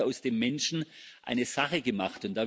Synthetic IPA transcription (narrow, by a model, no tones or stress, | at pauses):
aʊsd̥eːmːɛnʃn̩ʔa̰ɪnəz̥aχəɡəmaχtʊntd̥aː